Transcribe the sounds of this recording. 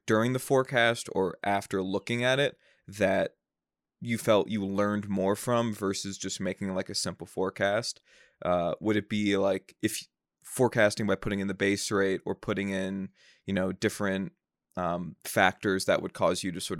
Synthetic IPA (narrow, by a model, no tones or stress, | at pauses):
d̥ʊɹɪ̃ŋðɨfɔɹkʰæstə˞ʔæftə˞lʊkɪ̃ŋɨɾɪt̚ | ðɨt͡ʃ̚ | ɨfɛlˠt͡ʃɨlɜ̃˞nmɔɹfɹʌ̃ɱvɜ˞sɨzd͡ʒʌs̚meɪkɪ̃ŋtlaɪkɨsɪ̃mpl̩ˠfɔɹkʰæst̚ | ʔʌwʔəɾɨt̚b̥ilaɪkɨfj | fɔɹkʰæstɪ̃ŋbaɪpʰʊɾɪ̃ŋɨ̃nðɨbeɪsɹeɪɾə˞pʰʊɾɪ̃ŋɪ̃n | jɨnoʊdɪfɹɨ̃nt̚ | ʌ̃mfæk̚tə˞zðɨ̰ʔ̚wʔə̰d̚kʰɔzjɨɾɨsɔɹɾ